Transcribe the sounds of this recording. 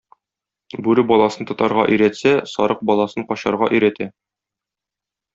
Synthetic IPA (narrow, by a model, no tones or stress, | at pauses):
bʉɾɘbɒlˠɑsɤnt̪ŏt̪ɑɾʁɑʔɵ̆jɾæt̪sæsɒɾɤq̚bɒlˠɑsɤɴqɒɕɑɾʁɑ̰ʔɵ̆jɾæt̪æ